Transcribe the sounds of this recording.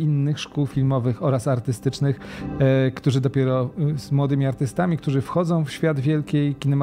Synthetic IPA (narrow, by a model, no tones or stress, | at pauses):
inːɘxʂkuwfʲilmɔvɘxɔɾasaɾt̪ɘst̪ɘt͡ʂnɘx | kt̪uʐɘd̪ɔpʲɛɾɔz̥mwɔd̪ɘmʲiaɾt̪ɘst̪amʲik̚t̪uʐɘfxɔd̪zɔ̃w̃fɕfʲjad̪vʲjɛlkʲejkʲinɛma